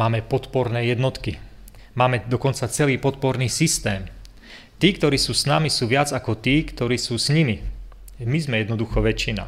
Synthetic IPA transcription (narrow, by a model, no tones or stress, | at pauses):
maːmɛpɔt̪pɔɾnɛːjɛd̪nɔt̪ki | maːmɛd̪ɔkɔnt͡sat͡sɛliːpɔt̪̚pɔɾniːsist̪ɛːm | t̪iːkt̪ɔɾiːsuːsnamisuːʋɪad͡zakɔt̪iːkt̪ɔɾiːsuːsɲimi | mizmɛjɛd̪nɔd̪uxɔʋɛt͡ʃːina̰